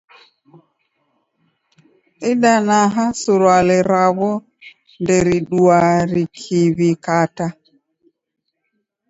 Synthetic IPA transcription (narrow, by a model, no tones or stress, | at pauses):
ʔiɗanaɦasuɾwalɛɾawɔ | ndɛɾiɗuwaɾikʰivikata